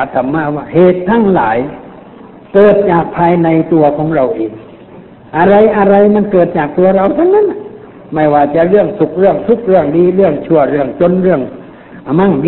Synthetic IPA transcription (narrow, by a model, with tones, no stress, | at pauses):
t̪ʰːa˧mːaː˧˩waː˧˩heː˨˩t̪ʰːa˧˥˩ŋlaː˨˦j | kɤː˨˩t̪̚t͡ɕaː˨˩k̚pʰaː˧jna˧jt̪u˧ɐkʰɔː˨˦ŋɾa˧wʔeː˨˩ŋ | ʔa˧ɾa˧jʔa˧ɾa˧jma˧˥˨nkɤː˨˩t̪̚t͡ɕaː˨˩k̚t̪u˧ɐɾa˧wt̪ʰa˧˥˩wnːa˧˥n˧ | ma˧˩jwaː˧˩t͡ɕa˧˩ʔɾɯ˥˩əŋsu˨˧˩k̚ɾɯ˥˩əŋsu˧˥k̚ɾɯ˧˥˩əŋdiː˧ɾɯ˧˩əŋt͡ɕʰu˧˩ɐɾɯ˧˩əŋt͡ɕo˧˥nɾɯ˥˩əŋ | ʔa˧ma˧˥˩ŋ